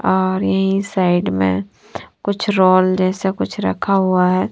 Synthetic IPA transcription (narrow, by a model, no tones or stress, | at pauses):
ɔːɾjɐɦĩsaːɪɖmḛ̃ | kʊt͡ʃʰɾoːld͡ʒɛːsekʊt͡ʃʰɾɐ̰kʰːaɦʊaɦɛː